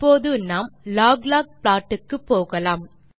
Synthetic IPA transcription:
pːoːðɯnaːmlaːɡlaːk̚plaːʈːɯkːɯpːoːɣɐlaːm

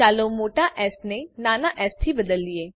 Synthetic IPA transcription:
aːlomoːʈaʔɛːsnenaːnaːʔɛːst̪ʰibəd̪əlːieː

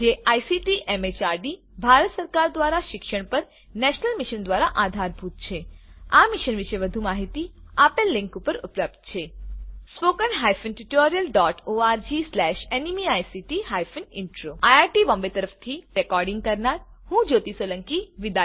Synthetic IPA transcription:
d͡ʒeʔajsiʈiʔemet͡ʃaɾɖibʱaɾət̪səɾkaɾd̪ʋaɾaʃɪkʃəɽ̃pəɾ | nɛʃnəlmiʃənd̪ʋaɾaʔad̪ʱaɾbʱut̪̚t͡ʃʰeamɪʃənʋɪʃeʋəd̪ʱumaɦit̪iapelːɪ̃ŋkupəɾupləp̚d̪̚t͡ʃʰespokənɦajfənʈuʈoɾijəlɖɔʈoaɾd͡ʒislɛʃenimiajsiʈiɦajfənɪɳʈɾoajaɾʈibɔ̃mbet̪əɾəft̪ʰiɾɛkɔɾɖɪ̃ŋɡ̚kəɾnaɾhũd͡ʒot̪isoləŋkiʋid̪a

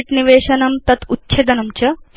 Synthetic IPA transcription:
ʈniʋeːɕɐnɐmt̪ɐt̪utːɕʰed̪ɐnɐmt͡ɕɐ

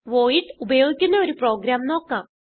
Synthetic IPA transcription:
ʋoːiʈubɐjoːɡʲineʋɔɾipɾoːɡɾamnɔːkã

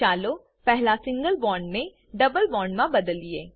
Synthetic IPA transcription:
aːlo | pɛɦlasɪ̃ŋɡəlbɔːɳɖnẽ | ɖɐbəlbɔːɳɖmãbɐd̪əlːieː

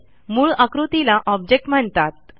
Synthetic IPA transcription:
muːɭəkɾut̪ilaʔɔb̚d͡ʑek̚ʈm̤əɳt̪at̪̚

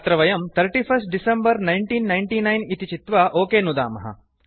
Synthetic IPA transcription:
t̪ɾɐʋɐjɐmt̪ʰɐɾʈiːpʰɐsʈ̚ɖisembɐɾnɐjɳʈiːnːɐjɳʈiːnɐjnit̪it͡ʃit̪ʋɐʔoːkeːnud̪a̰ːmɐɦɐ̰

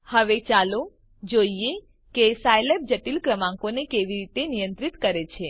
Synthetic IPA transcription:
həʋet͡ʃalo | d͡ʒoie | kesajlep̚d͡ʒəʈilkɾəmãŋkonekeʋiɾit̪enijə̃nt̪ɾit̪kəɾet͡ʃʰe

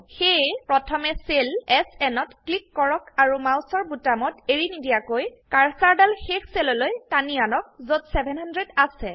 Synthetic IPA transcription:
xejpɹɔtʰɔmɛselɛsɛnɔtklikːɔɹɔkaɹumawsɔɹbutamɔteɹinidijakojkaɹsaɹdalxexselɔlojtanianɔk̚zotsɛbʱɛnhandɹedasɛ

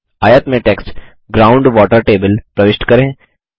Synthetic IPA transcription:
aːjət̪mẽʈeksʈ | ɡɾaʊɳɖʋɔːʈəɾʈeːbəlpɾəʋɪʃʈkəɾẽ

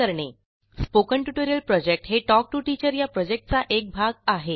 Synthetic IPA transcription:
əɾɳe | spokəɳʈuʈoɾijəlpɾɔd͡ʑek̚ʈɦeʈɔk̚ʈuʈit͡ɕəɾjapɾɔd͡ʑek̚ʈ̚t͡saʔek̚bʱaɡaɦe

